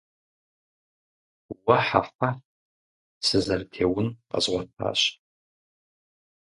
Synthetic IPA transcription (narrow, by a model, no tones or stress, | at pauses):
waħa̰far | sɨzɐrtʰeːwʊnqa̰zʁʷɔntʰa̰ːʃ